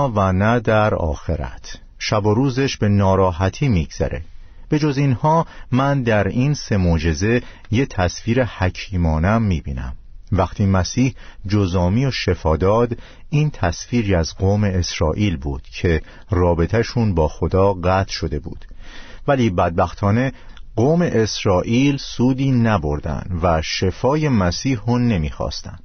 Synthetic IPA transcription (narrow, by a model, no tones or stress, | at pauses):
vænæd̪æɾɒ̰ːxe̞ɾæ̰t̪ʰ | ʃæbo̞ɾuːzeʃbe̞nɒːɾɒːɦæt̪ʰiːmiɡz̥æ̰ɾe̞̰ | b̥e̞d͡ʒozinhɒːmænd̪æɾiːnse̞mod͡ʒe̞ze̞ | jet̪ʰæsfiːɾehæcʰiːmɒːnæmːiːbḭːnæ̰mvæxt̪ʰiːmæsiːhd͡ʒozɒːmiːo̞ʃe̞fɒːd̪ɒːd̪ | iːnt̪ʰæsfiːɾiæzɢoːme̞esɾɒːʔiːlbṵːd̪̥cʰe̞ | rɒːbe̞t̪ʰæʃunbɒːxo̞d̪ɒːɢæːt̪ʰʃo̞d̪e̞bṵːd̪̥væliːbæd̪̚bæxt̪ʰɒːne̞ɢoːme̞ʔesɾɒːʔiːlsuːd̪iːnæbo̞ɾd̪æ̰nd̪̥væʃe̞fɒːje̞mæsiːhone̞miːxɒ̰ːst̪ænd̪̥